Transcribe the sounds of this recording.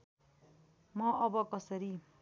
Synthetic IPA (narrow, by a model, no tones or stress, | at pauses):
mʌʔʌbʌkʌsʌɾi